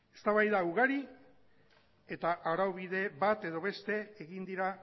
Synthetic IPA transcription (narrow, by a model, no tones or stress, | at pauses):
e̞̥st̪aβajðauɣaɾi | e̞t̪aʔaɾawβiðe̞βat̪e̞ðo̞βe̞st̪e̞eɣind̪iɾa